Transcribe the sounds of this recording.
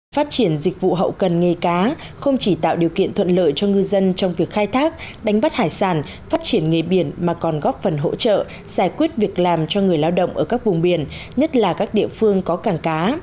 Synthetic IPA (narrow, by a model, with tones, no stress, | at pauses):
faː˦˥t̚t͡ɕi˧˩ənzï˨˩k̟̚vṵ˧˨ɦə̰˧˨wkə˨˩nŋə˨˩kaː˨˦ | xə˧wŋ͡mt͡ɕi˧˩t̪a̰ː˧˨wɗi˨˩əwkḭ˧˨ənt̪ʰə˧˨nlə̰ː˧˨jt͡ɕɔ˧ŋɨ˧zə˧nt͡ɕɔ˧wŋ͡mvi˨˩ək̚xaː˧jt̪ʰaː˦˥k̚ɗa˨˦jŋ̟ɓa˦˥t̚haː˧˩jsaː˧˩n | faː˦˥t̚t͡ɕi˧˩ənŋe˨˩ɓi˧˩ənmaː˨˩kɔ˨˩nɣɔ˦˥p̚fə˨˩nɦo̰˧˥t͡ɕə̰ː˧˨ | z̥aː˧˩jkwi˦˥ət̚vi˨˩ək̚laː˨˩mt͡ɕɔ˧ŋɨ˨˩əjlaː˧wɗə̰˧˨wŋ͡mʔəː˧˩ka˦˥k̚vʊ˨˩ŋ͡mɓi˧˩ənɲə˦˥t̚laː˨˩kaː˦˥k̚ɗḭ˧˨əfɨ˧əŋkɔ˨˦kaː˨˩ŋkaː˨˦